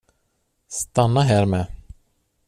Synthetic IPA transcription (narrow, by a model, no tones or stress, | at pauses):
st̪anːaɦæːɾmɛː